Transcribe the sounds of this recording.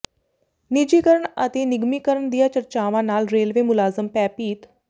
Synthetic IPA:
nɪd͡ʒiːkəɾəɳət̪eːnɪɡmiːkəɾəɳd̪ijaːt͡ʃəɾt͡ʃaːʋãːnaːlɾeːlʋeːmʊlaːzəmpɛːpiːt̪

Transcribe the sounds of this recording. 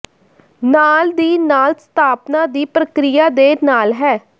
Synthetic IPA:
naːld̪iːnaːlst̪ʰaːpnaːd̪iːpɾəkɾɪjaːd̪eːnaːlɦɛː

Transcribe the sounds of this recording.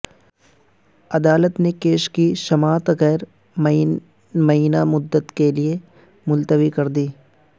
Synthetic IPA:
ɐd̪aːlət̪nekeːʃkiʃɐmaːt̪ɣɛːɾ | mɐiːnamʊd̪ːət̪kelie | mʊlt̪əʋikɐɾd̪iː

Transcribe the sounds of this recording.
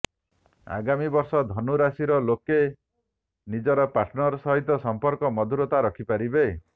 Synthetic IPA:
a̰ɡamibɔɾsɔd̪ʱɔnuɾasiɾɔloke | nid͡ʒɔɾɔpaɾʈʰnɔɾɔsɔɦit̪ɔsɔmpɔɾkɔmɔd̪ʱuɾot̪aɾɔkʰipaɾibe

